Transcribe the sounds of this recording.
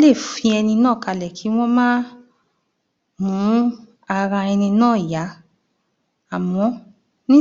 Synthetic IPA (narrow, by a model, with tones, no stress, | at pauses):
le˦˨fĩ˧ɛ˧nĩ˧nãː˦˨ka˧lɛ˨kʰi˨˦w̃ɔ̃˦mãː˦ | mũ˨˦ | a˧ɾã˧ɛ˧nĩ˧nãː˦˨ja˨˦ | a˨mɔ̃˨˦ | nĩ˦